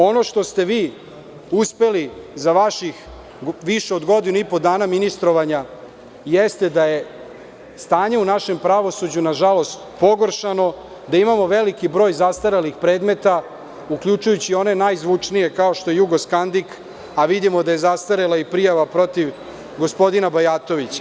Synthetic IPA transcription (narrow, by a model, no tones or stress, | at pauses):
o̞no̞ʃt̪o̞st̪e̞ʋiː | uspe̞lizaʋaʃix | ʋiʃeod̪ɡo̞d̪inuipo̞d̪aːnaminist̪ɾo̞ʋaɲa | jest̪e̞d̪aje̞ | st̪aːɲe̞unaʃe̞mpɾaʋo̞sud͡ʑunaʒalo̞st̪po̞ɡoɾʃano̞ | d̪aimamo̞ʋe̞likibɾo̞ːjzast̪aɾalixpɾe̞ːd̪me̞t̪a | ukʎut͡ʃujut͡ɕio̞ne̞najzʋut͡ʂnije̞kaoʃt̪o̞je̞juɡo̞skand̪ik | aʋid̪imo̞d̪aje̞zast̪aɾelˠaipɾijaʋapɾo̞t̪iʋ | ɡo̞spo̞d̪inabajaːt̪o̞ʋit͡ɕḁ